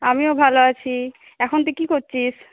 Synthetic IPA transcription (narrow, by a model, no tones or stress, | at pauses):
amiobʱaloat͡ɕʰi | ɛkʰont̪̬ukikoɾt͡ɕʰiʃ